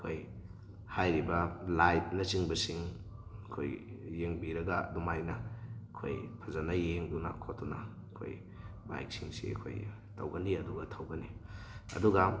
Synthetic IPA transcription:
ɐkʰoj | hajɾibɐlajp̚nɐt͡ʃiŋbɐsiŋkʰojːeŋbiɾɐɡɐdumajnɐkʰo̰jpʰɐzanɐjeŋduna̰kʰotːunɐ | kʰo̰j | ba̰jk̚siŋsḭɐ̰kʰo̰j | tʰɐ̰wɡɐniɐduɡɐtʰɐwɡɐniɐ̰duɡɐ

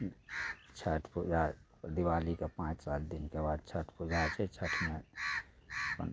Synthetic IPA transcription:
t͡ʃʰəʈʰpud͡ʒa | d̪iwaːlikapãːt͡ʃsaːld̪ɪnkebaːd̪̚t͡ʃʰəʈʰpud͡ʒaːt͡ʃʰɛt͡ʃʰəʈʰmẽ | pə̰n

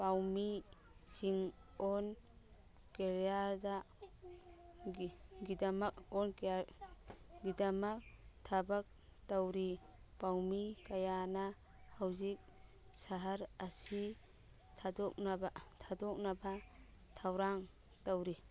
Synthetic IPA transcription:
pawmi | siŋɔn | keɾjaɾda | ɡidamɐkɔnk | ɡidɐmɐk̚tʰabak̚ | tawɾi | pawmikajana | hawzik̚ | saɦaɾɐsi | tʰadɔk̚ntʰadɔk̚naba | tʰawɾaŋ | tawɾi

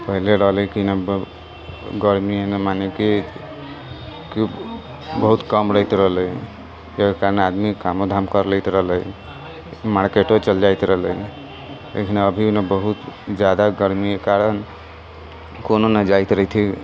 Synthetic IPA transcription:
pəɦileɾəɦlɛkinab | ɡəɾmienemaneke | ki | bəɦut̪kəmɾəjt̪ɾəɦləi | jekaɾənad̪mikamod̪ʱamkəɾlət̪ɾəɦlə | maɾkeʈot͡ʃəld͡ʒajt̪ɾəɦləi | lʔḛkʰinəbʱinebəɦut̪d͡ʒjad̪aɡəɾmiekaɾən | kononad͡ʒajt̪ɾəit̪ʰi

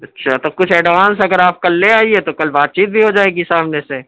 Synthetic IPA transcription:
ɐtːʃʰat̪okʊt͡ʃʰɛːɖʋaːnsɐɡəɾaːp̚kɐlːeaːiet̪okɐlbaːt̪̚t͡ʃiːt̪̚bʱiɦod͡ʒaːeːɡisaːmnese

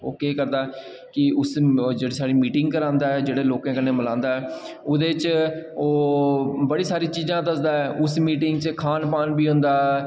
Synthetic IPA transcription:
oːkeːkəɾd̪aː | kɪʊsd͡ʒeːɽiːsaːɽiːmiːʈɪŋɡkəɾãːnd̪aːɛːd͡ʒeːɽeːloːkãːkənːeːməlãːnd̪aːɛː | ʊd̪eːt͡ʃoːbəɽiːsaːɾiːt͡ʃiːzãːd̪əsd̪aːɛːʔʊsmiːʈɪŋɡt͡ʃkʰaːnpaːnbiːɦʊ̃nd̪aː

